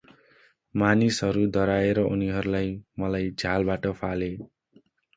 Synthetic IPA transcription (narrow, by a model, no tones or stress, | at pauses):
manisɦʌɾud̪ʌɾaeɾʌʔuniɦʌɾulajmʌlajd͡zʱalbaʈʌpʰale